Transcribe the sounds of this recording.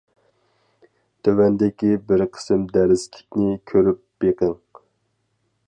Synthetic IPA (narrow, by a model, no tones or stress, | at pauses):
t̪ʰøwɛnd̪ɪkʲibɪɾqʰə̥sɪmd̪æɾɪzkʲʰi̥kʲnɪkʲʰøɾyp̚b̥eqəŋ